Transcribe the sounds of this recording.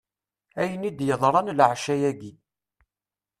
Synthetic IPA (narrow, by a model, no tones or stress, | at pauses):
æjənid̪jəðˤɾˤɑnlʕʃæjæɡi